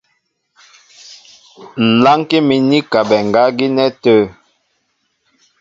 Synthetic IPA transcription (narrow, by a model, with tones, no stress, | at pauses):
n̩˨la˦ŋke˦mi˨ni˦ka˨bɛ˨ŋ˨ɡa˨˦ɡi˦nɛ˦tə˦